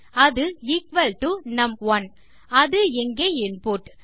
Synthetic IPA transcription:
ɐðɯɪkʋɐlʈunɐmʋɐn | ɐðɯɛŋɡeɪnpoːʈ

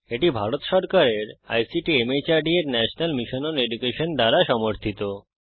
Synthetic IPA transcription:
eʈibʱaɾot̪ʃɔɾkaɾeɾa̰jsiʈiemet͡ɕaɾɖieɾnɛʃonalmiʃononeɖukeʃond̪aɾaʃɔmoɾt̪ʰit̪o

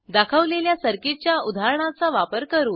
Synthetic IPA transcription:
d̪akʰəʋleljasəɾkit͡ɕjaud̪ʱaɾəɳ̃at͡saʋapəɾkəɾuːn

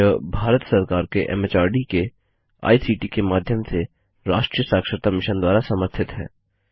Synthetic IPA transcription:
əbʱaːɾət̪sɐɾkaːɾkeʔɛ̰mɛt͡ʃaːɾɖike | a̰ːisiːʈikemaːd̪ʱjəmse | ɾaːʃʈɾijəsaːkʃəɾt̪amɪʃənd̪waːɾasɐməɾt̪ʰɪt̪ɦɛ̰ː

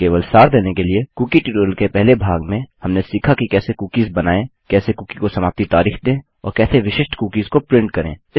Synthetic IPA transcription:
keːʋəlsaːɾd̪eːnekeliekuːkiʈiːʈoːɾlkepɛɦlebʱaːɡmẽhɐmnesiːkʰakikɛːsekuːkizbɐnaːẽkɛːsekuːkikosɐmaːp̚t̪it̪aːɾiːxd̪ẽː | ɔːɾkɛːseʋɪʃɪʃʈkuːkiːzkopɾɪ̃ɳʈ̚kɐɾḛ̃ːɪ

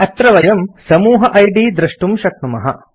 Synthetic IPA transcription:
ɐt̪ɾɐʋɐjɐmsɐmuːɦɐʔɐjɖiːd̪ɾɐʂʈumʃɐk̚numɐɦɐ̰

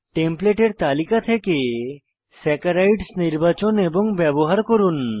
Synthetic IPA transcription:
ʈempleʈeɾt̪alikat̪ʰeke | sɛkaɾajʈsniɾbat͡ɕoneboŋbɛboɦaɾkoɾun

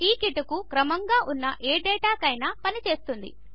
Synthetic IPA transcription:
iːkiʈɐkukɾɐmɐŋɡaːʔunːɐʔeːɖɛːʈaːkɐjnɐpɐnit͡ʃe̞ːst̪und̪ḭ

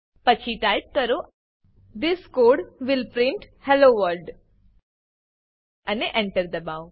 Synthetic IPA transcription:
pɐt͡ʃʰiʈajp̚kɐɾo | d̪ɪskoːɾɖʋɪlpɾɪ̃ɳʈhɛloʋəɾɖ | ɐneʔẽɳʈəɾd̪ɐbaw

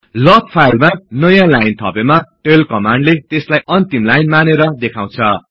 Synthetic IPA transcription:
lʌtpʰajlmanʌjãlajnt̪ʰʌpemaʈelkʌmaɳɖlet̪eslajʔʌnt̪imlajnmaneɾʌd̪ekʰãw̃t͡sʰʌ

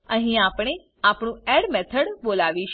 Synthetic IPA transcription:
əɦĩapɳ̃e | apɳũeɽmɛt̪ʰəɽbolaʋiʃ

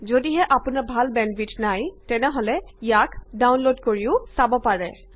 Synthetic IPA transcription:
zodiɦɛʔapʊnaɹbʱalbɛnfʰitnajtɛnɛɦolɛijakdawnlodkoɹiʊsabɔpaɹɛ

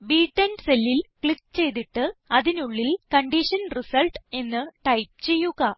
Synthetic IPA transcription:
biːʈːɐnselːilkɭikːt͡ɕe̞jt̪iʈːɨɐðinuɭːilkɐɳɖiʂɐnrisɐlʈe̞nːɨʈɐjp̚t͡ɕe̞jːuɣɐ

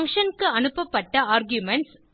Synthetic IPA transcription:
ŋkʂɐnkɯɐnɯpːɐpːɐʈːɐaːɾɡjʊmɛɳʈs

